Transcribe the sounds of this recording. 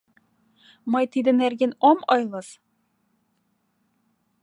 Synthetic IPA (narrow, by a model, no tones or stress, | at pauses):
mɑjt̪id̪ɘ̆næɾɡʲenomɒjlˠɤ̆z